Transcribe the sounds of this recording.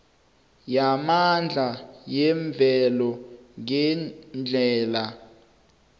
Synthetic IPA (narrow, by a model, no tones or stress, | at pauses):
jamand͡ɮʱajɛɱb̪vʱɛlɔŋɛnd͡ɮʱɛːla